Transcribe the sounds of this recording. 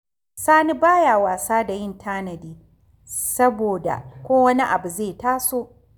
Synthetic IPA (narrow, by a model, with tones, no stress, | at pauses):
saː˦ni˦baː˦jaː˨waː˨saː˦da˨jɪ˦˨ntʰaː˦nɐ˨diː˦ | sɐ˦boː˨da̰˨kʷoː˦wɐ˦ni˦ʔa˨bu˨zeː˦˨taː˦soː˦